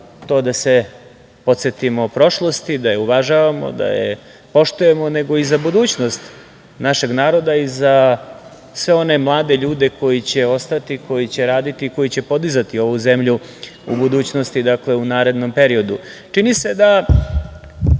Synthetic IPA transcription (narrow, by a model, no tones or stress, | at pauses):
t̪o̞ːd̪ase | po̞t̪set̪imo̞pɾo̞ʃlˠo̞st̪id̪ajeuʋaʒaʋamo̰d̪a̰jḛ | po̞ʃt̪uje̞mone̞ɡo̞izabud̪uːt͡ɕno̞st̪ | naʃe̞ɡnaːɾo̞d̪aiza | sʋe̞o̞ne̞mlˠaːd̪e̞ʎuːd̪e̞ko̞jit͡ɕe̞o̞st̪at̪iko̞jit͡ɕe̞ɾaːd̪it̪iːko̞jit͡ɕe̞po̞d̪izat̪io̞ʋuze̞mʎu | ṵbud̪uːt͡ɕno̞st̪id̪akle̞unaːɾe̞d̪no̞mpe̞ɾio̞d̪ut͡ʂinise̞d̪a